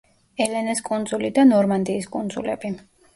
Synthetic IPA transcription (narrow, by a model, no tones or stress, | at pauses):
ɛlɛnɛskʼund̪zulid̪anɔɾmand̪iːskʼund̪zṵlɛ̰bi